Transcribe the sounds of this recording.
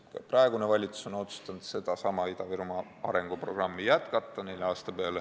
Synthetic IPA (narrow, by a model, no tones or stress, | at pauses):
kɑ̰prɑeɡ̥unevɑlʲit̪su̥so̞no̞t̪su̥st̪ɑnd̪̥se̞d̪̥ɑsɑmɑid̪ɑviɾmɑʔɑ̰ɾe̞ŋɡ̥upro̞ɡ̥rɑmːijæt̪kɑt̪ːɑnejleɑːst̪ɑpeɑle